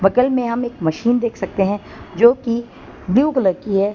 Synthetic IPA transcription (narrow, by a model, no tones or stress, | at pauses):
bɐkəlmẽɦɐmeːkmɐʃiːnd̪eːkʰsɐk̚t̪eɦɛ̃ | d͡ʒoːki | bljuːɡələɾkiɦɛː